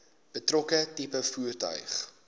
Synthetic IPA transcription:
b̥ətrɔkətipəfuərtœ̰ɥχ

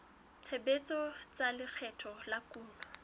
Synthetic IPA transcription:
t͡sʰebet͡sʼɔt͡salɪk͡xʰɛtʰɔlakʼuːlɔ

